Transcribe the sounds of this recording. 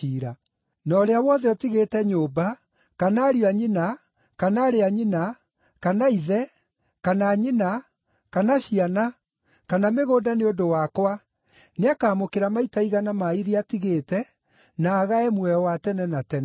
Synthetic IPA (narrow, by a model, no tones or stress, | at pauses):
iːɾa | nɔɾeawɔðɛɔtiɣetɛɲoːba | kanaːɾiaɲina | kanaːɾeaɲina | kanaiðɛ | kanaːɲina | kanaɕiana | kanameɣoːdaneodowakwa | neakaːmokeɾamaitaiɣanamaiðiatiɣeːtɛ | naːɣaɛmwɛwatɛnɛnatɛnɛ